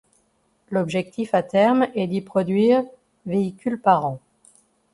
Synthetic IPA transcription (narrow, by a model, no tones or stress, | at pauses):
lɔbʒɛk̚t̪ifat̪ɛʁmɛd̪ipχɔd̪ɥiːʁ | veikʲylpaʁɑ̃